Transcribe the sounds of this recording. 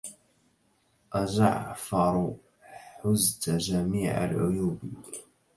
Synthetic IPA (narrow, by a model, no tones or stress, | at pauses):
ʔazaʕfɑɾˤu | ħʊzt̪aʒamiːʕa̰lʕʊjuːbi